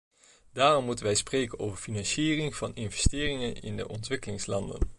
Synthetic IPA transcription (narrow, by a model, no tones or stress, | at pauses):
daːrɔmːutənʋɛjsprejkənowvəɹfinɑnʃiːrɪŋv̥ɑnɪnvɛstɪːrɪŋənɪ̰ndə̰ʔɔntʋɪkəlɪŋslɑndə̰n